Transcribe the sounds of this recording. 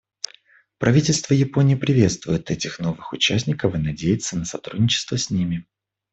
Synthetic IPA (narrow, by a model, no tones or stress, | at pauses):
pɾɐvʲitʲɪlʲst̪vəjɪpo̞nʲɪjːpɾʲɪvʲe̞t̪st̪vʊjɪt̪ɛtʲɪxno̞vɨxʊt͡ɕæsʲnʲɪkəfɨnɐdʲejɪt̪sːənəsɐt̪ɾudʲnʲɪt͡ɕɪ̥st̪vəsʲnʲimʲɪ